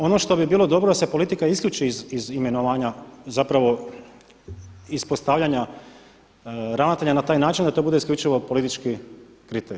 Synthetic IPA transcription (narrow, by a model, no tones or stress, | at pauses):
o̞no̞ʃt̪o̞bibiːlˠo̞d̪o̞bɾod̪ase̞polit̪ikaiskʎʲuːt͡ʃizizime̞noʋaːɲazapɾaʋo̞ | ispost̪aʋʎaɲa | ɾanat̪aʎanat̪aːjnaːt͡ʃind̪at̪o̞bud̪e̞iskʎut͡ʃiʋo̞po̞lit̪it͡ʃkikɾit̪eɾii